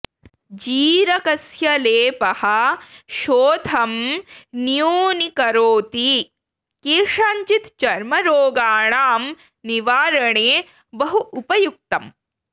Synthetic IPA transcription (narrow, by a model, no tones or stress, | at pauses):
d͡ʒiːɾɐkɐsjɐleːpɐhɐʃoːd̪ʱɐmnijoːnikɐɾoːt̪i | keːʂaːɲt͡ʃit̪t͡ʃɐɾmɐɾoːɡaːɳaːm | niʋaːɾɐɳeː | bɐɦuupɐjuk̚t̪ɐm